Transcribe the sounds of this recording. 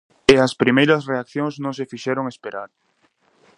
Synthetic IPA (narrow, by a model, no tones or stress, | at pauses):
eɐspɾimejɾɐsreak̚θjõŋsznõŋs̬efiʃɛɾoŋespeɾa̰ɾ